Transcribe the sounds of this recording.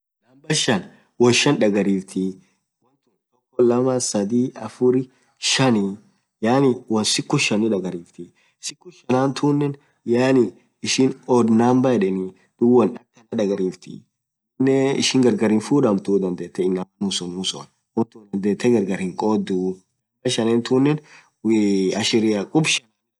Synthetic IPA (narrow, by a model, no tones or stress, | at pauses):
nɐmbɐʃɐn | wɔnʃɐnᶑɐɡɐɾiːft̪ʰi | wɔnt̪unt̪ɔkːɔlɐmasɐd̪iːʔɐfʊɾɪ | ʃɐni | jaːnɪwɐnsɪkːʊʃɐnɪᶑɐɡɐɾiːft̪i | sɪkːʊʃɐnaːnt̪ʰuːnːɛn | jaːnɪ | ɪʃɪnɔd̪naːmbɐɛᶑɛni | d̪̥ʊwɐnᶑɐk̚t̪ːɐnɐᶑɐɡɐɾiːft̪ḭ | nːɛɪ̰ʃɪŋɡɐɾɡɐɾɪnfuːdɐmt̪uːd̪ɐnd̪eːt̪ːɛɪnːɐmmʊsɔnmʊsɔ̰n | wɔnt̪uːd̪ɐnd̪eːt̪ʰːɛɡɐɾɡɐɾhɪŋkʼoːd̪ːu | lɐʃɐnɛːnt̪uːnːɛn | ɐʃɪɾɪɐkʼʊbʃɐn